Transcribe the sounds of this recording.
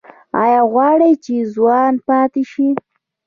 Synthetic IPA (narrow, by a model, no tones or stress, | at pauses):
ɑ̰jɑɣwɑɽəjt͡ʃezwɑnpɑt̪ɪʃi